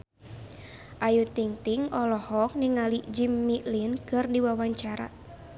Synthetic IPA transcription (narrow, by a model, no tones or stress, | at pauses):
ʔajut̪iŋt̪iŋɔlɔhɔk̚niŋalid͡ʒimːilinkɨrdiwawaɲt͡ʃaɾa̰